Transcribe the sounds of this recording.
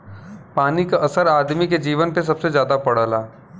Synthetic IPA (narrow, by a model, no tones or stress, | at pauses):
paːnikaʔɐsəɾaːd̪miked͡ʒiːʋənpes̬ɐbsezjaːd̪apɐɽəlaː